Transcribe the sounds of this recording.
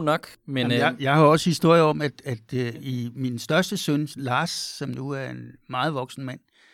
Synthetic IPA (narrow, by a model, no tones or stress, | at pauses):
nɒɡ̥menjjɑ̈ɪhɑ̈ɒ̽səhisd̥o̝ɐ̰jəɒ̽mæd̥æd̥iminsd̥ɶɐsd̥əsønlɑ̈ːsːɒ̽mnuæɐe̝nmɑ̈ːð̩ˠʋɒ̽ɡ̥sn̩mæn̰